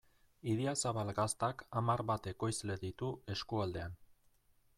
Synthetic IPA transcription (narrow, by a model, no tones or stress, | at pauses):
iðiasaβalɣast̪akamaɾβat̪e̞ko̞jzle̞ðit̪ue̞skuald̪e̞an